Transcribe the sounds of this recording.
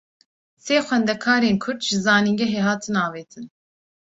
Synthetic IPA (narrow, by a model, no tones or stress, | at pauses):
seːxʷɛnd̪ɛkʰɑːɾeːnkʰʊɾd̪ʒɨzɑːniŋɡɛɦeːɦɑːt̪ʰɨnɑːveːt̪ʰɨn